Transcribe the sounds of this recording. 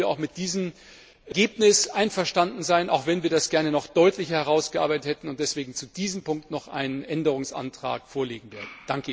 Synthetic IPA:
ɐa̰ʊxmɪt̚d̥iːzəm | ɡeːpnɪsʔaɪnfɛɐʃtandn̩zaɪnʔa̰ʊxv̥ɛnviːɐdasɡ̥ɛɐnənɔχd̥ɔʏtʰlɪçəhɛʁ̞aʊsɡ̥əʔa̰ɐbaɪtəthɛtn̩ʊnt̚d̥ɛsv̥eːɡŋ̩t͡sud̥iːzəmpʊŋk̚tnɔχʔa̰ɪnənʔɛndəʁ̞ʊŋsʔa̰ntʁ̥a̰ːkfoːɐleːɡŋ̩veːɐdn̩d̥aŋkə

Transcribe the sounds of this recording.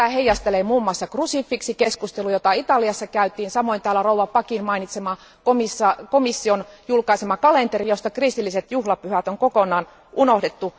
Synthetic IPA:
æheijːɑst̪elemuːmːɑːsːɑkrusifːiksikeskust̪elujot̪ɑit̪ɑliɑsːɑkæyt̪iːnsɑmoint̪æːlːærouwʋɑpɑkinmɑinit̪semɑ | komisːɑkomisːionjulkɑisemɑkɑlent̪erijost̪ɑkrist̪ilːiset̪juhlɑpyhæt̪oŋkokonˑɑːn | ʔunohdet̪ːu

